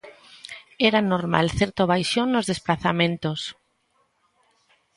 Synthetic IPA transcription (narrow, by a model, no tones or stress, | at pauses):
eɾanoɾma̰lθeɾt̪oβ̞ajʃjonːozðesplaθamẽnt̪os